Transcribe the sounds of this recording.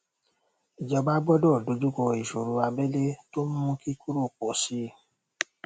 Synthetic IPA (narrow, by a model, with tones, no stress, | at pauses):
i˨d͡ʒɔ˧ba˦bɔ˦dɔ˦˨do˧d͡ʒu˦kɔ˧i˨ʃo˨ɾo˧a˧bɛ˦le˦to˦mũ˦ũ˦ki˦ku˦ɾo˦˨k͡pɔ˨˦si˦